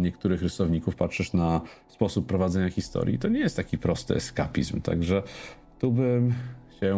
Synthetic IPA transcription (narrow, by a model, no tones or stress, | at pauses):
ɲɛkt̪uɾɘxɾɘsɔvɲikufpatʂɛʂnaspɔsupːɾɔvad̪zɛɲaxʲist̪ɔ̰ɾʲjḭt̪ɔɲɛjɛst̪t̪akʲipɾɔst̪ɘ̰ʔɛ̰ska̰pʲḭzmt̪a̰ɡʐɛ | t̪ubɘmɕɛ